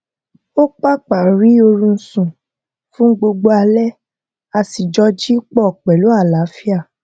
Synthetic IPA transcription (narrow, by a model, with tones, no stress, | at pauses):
o˦k͡pa˦k͡pa˨ɾi˨˦o˧ɾũ˧n̩˦sũ˨ | fũ˦ɡ͡bo˧ɡ͡bo˧a˧lɛ˦ | a˧si˨d͡ʒɔ˧d͡ʒi˦k͡pɔ˦˨k͡pɛ˨lo˨˦a˦˨la˨˦fi˦a˦˨